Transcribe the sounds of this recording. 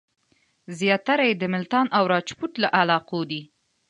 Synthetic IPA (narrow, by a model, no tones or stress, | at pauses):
zjɑt̪aɾajed̪əmɪlt̪ɑnʔawɾɑt͡ʃpuʈ̪laʔalɑqod̪i